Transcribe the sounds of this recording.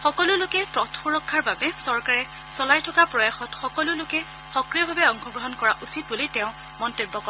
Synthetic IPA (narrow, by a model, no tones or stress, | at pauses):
xɔkɔlʊlʊkɛpɹɔtʰxuɹɔkʰːaɹbabɛsɔɹkaɹɛ | sɔlajtʰɔkapɹɔjaxɔtxɔkɔlʊlʊkɛ | xɔkɹijɔbʱabɛɔŋxʰɔɡɹɔɦɔnkɔɹaʔusit̚bulitɛʊ̃ | mɔntebːɔkɔ